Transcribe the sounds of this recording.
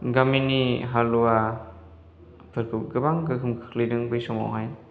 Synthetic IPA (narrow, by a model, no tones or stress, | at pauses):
ɡaminiɦalua | pʰɯɾkʰɯpɡɯbaŋɡɯkʰɯmkʰɯ̥k̚lijdɯŋbɯjsɔŋa̰wɦaj